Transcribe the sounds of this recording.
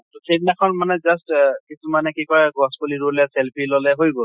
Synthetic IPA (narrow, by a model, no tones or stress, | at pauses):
tusʰedinakʰɔnmanɛzastkisumanɛkikɔjɡʱɔspuliɹulɛsɛlpʰilɔlɛɦojbɔ